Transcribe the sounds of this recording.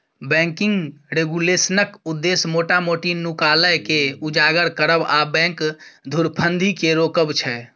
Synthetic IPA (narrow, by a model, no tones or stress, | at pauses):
bɛ̃ŋkɪŋɡɾeɡulesənəkud̪ːesmoʈamoʈinukaləjkeud͡ʒaɡəɾkəɾəbabɛ̃ŋkd̪ʱuɾpʰənd̪ʱikeɾokəbt͡ʃʰɛ